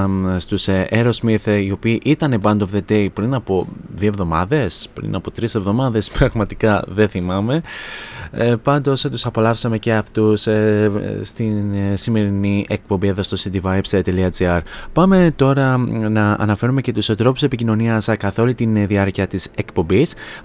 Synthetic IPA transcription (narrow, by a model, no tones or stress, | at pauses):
st̪useɾo̞zmiθio̞piːʔit̪ɐne̞bɐnd̪o̞vðe̞t̪e̞ipɾinɐpo̞ðiovðo̞mɐðe̞spɾḭnɐpo̞t̪ɾise̞vðo̞mɐðe̞spɾɐɣmɐt̪ikɐðe̞θimɐme̞ | pɐnd̪o̞st̪usɐpo̞lɐfsɐme̞ce̞ɐft̪us | st̪insime̞ɾiniʔek̚po̞mbieðost̪o̞sit̪ivɐjpset̪e̞liɐd͡ziɐɾpɐme̞t̪o̞ɾɐnɐɐ̰nɐfe̞ɾume̞ce̞t̪ust̪ɾo̞pu̥se̞picino̞niɐskɐθo̞lut̪inðiɐɾciɐt̪ise̞kpo̞mbis